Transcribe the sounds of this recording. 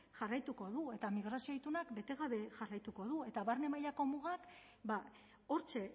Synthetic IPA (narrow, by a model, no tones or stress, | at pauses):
ʝarajt̪uko̞ðue̞t̪amiɣ̞ɾasio̞it̪unakbe̞t̪e̞ɣ̞aβe̞ʝarajt̪uko̞ðue̞t̪aβaɾne̞majako̞muɣak | ba | o̞ɾt͡ʃe̞